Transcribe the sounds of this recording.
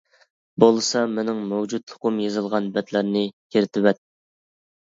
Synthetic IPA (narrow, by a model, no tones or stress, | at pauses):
bolˠɨsɑmɪnɪŋmɛwd͡ʒut̪ːʰʊqʊmjɑzɨlˠʁɑnbɛt̪læɾnɪkʲʰeɾɪt̪ʰɪwɛt̪̚